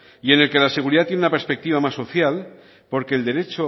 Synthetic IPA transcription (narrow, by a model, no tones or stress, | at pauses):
ie̞ne̞lke̞lase̞ɣuɾiðat̪jenunape̞ɾspek̚t̪iβ̞amasːo̞θjal | po̞ɾke̞ːld̪eɾe̞t͡ʃo